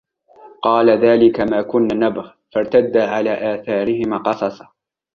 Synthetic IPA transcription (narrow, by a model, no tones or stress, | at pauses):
qɑːlaðaːlɪkamaːkʊnːanabɣ | faɾˤt̪ad̪ːaːʕalaːʔaːθaːɾɪhɪmaːqɑsˤɑsɑ̥